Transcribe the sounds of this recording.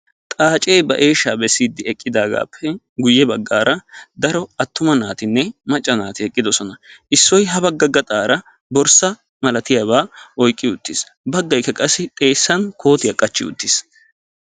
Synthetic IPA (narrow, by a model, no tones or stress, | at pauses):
t̪ʼaːt͡ʃʼejbɐ̰ʔe̞ːʃːaːbɛsːiːd̪ːɪɛkʼːɪd̪aːɡa̰ːpʰːɛ | ɡʊjːɛbɐɡːaːɾɐd̪ɐɾɔɐt̪ːʊmɐnaːt̪ɪnːɛmɐt͡ʃʼːɐnaːt̪ɪɛkʼːɪd̪ɔsɔnɐʔɪsːɔjɦɐbɐɡːɐɡːɐt̪ʼaːɾɐ | bɔɾsɐ | mɐlɐt̪ɪjaːβaːʔɔjkʼːɪʊt̪ːɪs | bɐɡːɐjkːɐkʼɐsːɪt̪ʼe̞ːsːɐnkʰo̞ːt̪ɪjɐkʼɐt͡ʃːɪʊ̰t̪ːɪs